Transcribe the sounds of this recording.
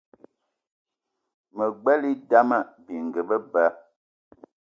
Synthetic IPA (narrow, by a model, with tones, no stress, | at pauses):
mə˨ɡ͡bɛ˦li˦da˦ma˦˨bi˨ŋ̩˨ɡə˨bə˦bə˨˦